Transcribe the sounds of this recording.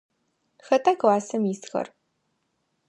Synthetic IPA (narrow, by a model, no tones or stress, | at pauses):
xɐtʼakwaːsɐmisxɐ̰r